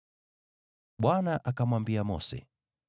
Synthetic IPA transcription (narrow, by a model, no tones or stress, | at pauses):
ɓwanaʔakamwambiamɔ̰sɛ̰